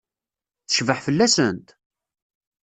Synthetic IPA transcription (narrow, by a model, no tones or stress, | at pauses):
θə̥ʃvəħfəlːæsənt̪